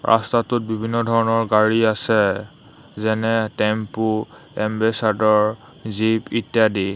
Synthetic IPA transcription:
ɹʔa̰statʊt̚bibʱinːɔdʱɔɹɔnɔɹɡaɹiasɛ | zɛnɛtɛmpu | ɛmbɛsadɔɹ | zipitjadi

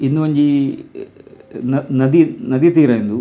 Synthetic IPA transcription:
inːuʋɐɲd͡ʒi | nnɐd̪inɐd̪it̪iːɾɐind̪u

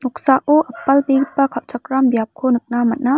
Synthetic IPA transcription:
nuk̚saʔoʔɐpɐlbepɐkʰat͡ʃʰak̚ɾambjap̚kʰonɯk̚namɐt̚na

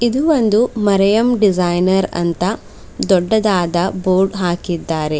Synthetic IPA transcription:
id̪uʋond̪umɐɾɐjɐmɖid͡ʒajnɐɾɐ̰nt̪ɐ | d̪ɔɖːɐd̪aːd̪ɐboːɾɖɦaːkid̪ːaːɾe̞

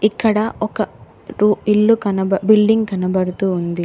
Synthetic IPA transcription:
ikːɐɽɐɔkɐ | ɾuiɭːukɐnɐbɐbilɖiŋɡkɐnɐbɐɽut̪uːnd̪i

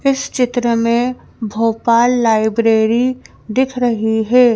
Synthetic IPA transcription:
ɪst͡ʃɪt̪ɾəmẽ | bʱoːpaːlːaːɪbɾeːɾi | d̪ɪkʰɾɐɦiɦɛː

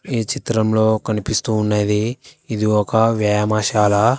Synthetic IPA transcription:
it͡ʃit̪ɾɐmlo̞ːkɐnipist̪uːnːɐd̪iːd̪iɔkɐʋjɐːjamɐʃaːlɐ

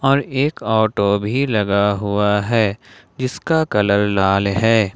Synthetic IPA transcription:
ɔːɾeːkɔːʈobʱilɐɡaɦʊaɦɛː | d͡ʒɪskakɐləɾlaːlɦɛː

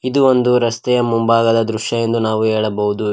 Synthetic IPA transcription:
id̪uʋond̪uɾɐst̪ɛjɐmumbaːɡɐd̪ɐd̪ɾuʂjɐje̞nd̪unaːʋuɦɛːɭɐbɐɦud̪u

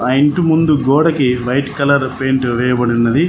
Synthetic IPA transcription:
ɐjiɳʈumund̪uɡɔːɽɐkiʋɐjʈkɐlɐɾpeːɳʈʋɛːjɐbɐɽinːɐd̪i

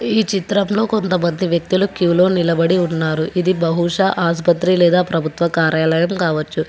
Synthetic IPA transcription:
iːt͡ʃit̪ɾɐmlo̞ːko̞nt̪ɐmɐnd̪ʱiʋjɐk̚t̪ulukulo̞ːnilɐbɐɽiunːaːɾuʔʔid̪ibɐɦuʂɐʔaːspɐt̪ɾilɛːd̪aːpɾɐbʱut̪ʋɐkaːɾjaːlɐjɐmkaːʋɐt͡ʃːu

